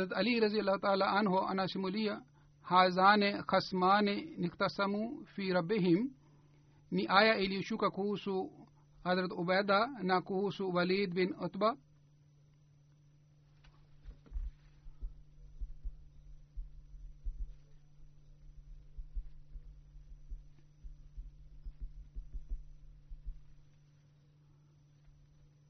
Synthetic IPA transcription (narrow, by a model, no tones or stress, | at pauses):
ɐzɾɐt̪ɐliɾɐzijɐlːaːhut̪aːlaːʔɐnɦoʔɐ̰nasimulijɐ | haːzaːnexɐsmaːnenɪkt̪ɐsɐmufiːɾɐbːiɦim | niʔaːjaʔiliʃukɐkuːsu | hɐzɾɐt̪ʊbɐːd̪anakuːsuʋɐliːd̪binʊt̪ba